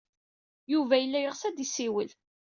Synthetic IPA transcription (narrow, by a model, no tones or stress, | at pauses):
juvæjəlːæjəʁsæd̪isiwəl